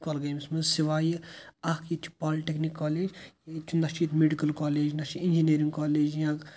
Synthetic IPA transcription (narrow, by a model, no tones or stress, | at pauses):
kɐlɡɐjmismɐzsiʋaːjiɐkʰjit͡ʃʰu̥paːliʈeknikːaːleːd͡ʒjɐt͡ʃʰunɐst͡ʃit̪meɖikɐlkaːleːd͡ʒnɐst͡ʃit̪ind͡ʒiniɾiŋɡkaːleːd͡ʒjãːk